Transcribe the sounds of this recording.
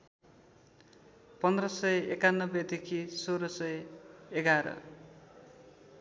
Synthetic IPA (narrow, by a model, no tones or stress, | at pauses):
pʌnd̪rʌsʌjekanːʌbed̪ekʰisoɾʌsʌjeɡaɾʌ̰